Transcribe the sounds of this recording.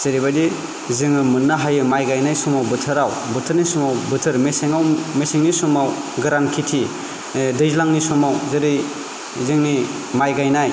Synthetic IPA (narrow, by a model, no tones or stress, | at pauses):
z̥eɾibadi | zɯŋɯmɯnːaɦajɯmajɡajnajsɔmawbɯtʰɯɾawbɯtʰɯɾnisumawbɯtʰɯɾmeseŋawmesiŋnisɔmawɡɯɾankʰitʰi | dɯjzlaŋnisɔmawzeɾɯj | zɯŋni | majɡajnaj